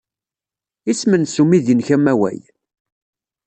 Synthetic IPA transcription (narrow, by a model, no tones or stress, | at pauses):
ismənsumiðinçæmæwæ̰j